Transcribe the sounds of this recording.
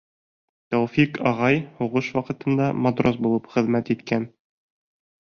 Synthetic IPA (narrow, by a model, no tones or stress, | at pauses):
t̪ɒwfikɒʁɑjhuʁɤʃwɑqɤ̆t̪ɤ̆nd̪ɑmod̪ros̬bulˠɤpχɘ̆ðmæt̪it̪kæn